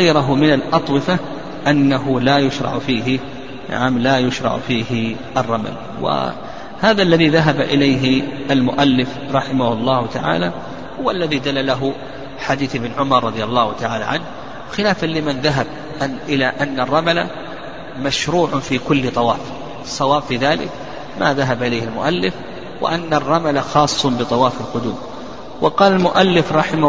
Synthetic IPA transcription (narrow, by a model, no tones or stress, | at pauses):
ajɾʊɦʊmɪnalʔɑt̪ˤwɪfa | ʔanːaɦʊlaːjʊʃɾˤɑ̰ʕfiːɦɪ | na̰ʕamlajʊʃɾˤɑ̰ʕfiːhɪ | ʔɑrˤːɑma̰l | wɪ̰ | haːðalːaðiðaɦabaʔɪlajɦɪʔalmʊʔalːɪf | ɾˤɑħɪmahʊlˤːɑːhʊt̪aʕa̰ːla | hʊwalːaðid̪alːalaɦʊ | ħad̪iːθʔɪbnʕʊmɑɾˤːɑd̪ˤɪjalˤːɑːhʊt̪aʕaːla̰ʕanh | xɪlaːfanlɪmɪnðaɦab | ʔɪlaʔanːarˤːɑmala | maʃɾuːʕʊfiːkʊlːt̪ˤɑwɑ̰ːf | ɑsˤːɑwɑːbfiðaːlɪ̰k | maðaɦabʔɪlajhɪlmʊ̰ʔalːɪf | wɪ̰ʔanːarˤːɑmalaxɑːsˤːʊbɨt̪ˤɑwɑːfɪlqʊd̪uːm | wʔɑqɑːlalmʊʔalːɪfɾˤɑħɪm